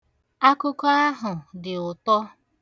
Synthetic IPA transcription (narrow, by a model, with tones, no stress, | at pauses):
a˦kʊ˦kɔ˦a˦ɦʊ˨dɪ˨ʊ˨tɔ˦